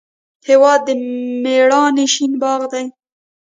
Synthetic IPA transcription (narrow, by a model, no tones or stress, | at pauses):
hewɑd̪ːəmeɽɑneʃinbɑɣd̪aj